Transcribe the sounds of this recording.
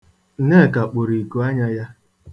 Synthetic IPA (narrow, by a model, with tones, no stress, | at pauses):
ne˦˨ka˨k͡po˨ɾi˨ku˨a˦ɲa˦ja˦